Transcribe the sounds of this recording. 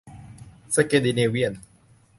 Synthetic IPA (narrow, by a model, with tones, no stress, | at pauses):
sa˧ke˧di˧ni˧wi˦˥ə˨n